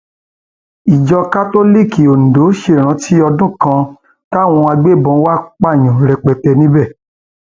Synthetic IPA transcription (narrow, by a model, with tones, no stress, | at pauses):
i˨d͡ʒɔ˧ka˦to˦li˦˨ki˨o˨n̩˨do˨˦ʃe˧˨ɾ̃ã˨˦tʰi˦ɔ˧dũ˦kã˧ | ta˦˨w̃ɔ̃˧a˧ɡ͡be˦˨bɔ̃˨˧˦wa˦k͡pa˦˨j̃ã˨ɾɛ˧k͡pɛ˨tɛ˧nĩ˦bɛ˦˨